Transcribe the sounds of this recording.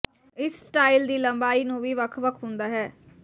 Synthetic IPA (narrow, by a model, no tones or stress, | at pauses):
ɪssːʈaːild̪iːləmbaːiːnũːʋiːʋəkʰʋəkʰɦʊ̃nd̪aːɦɛː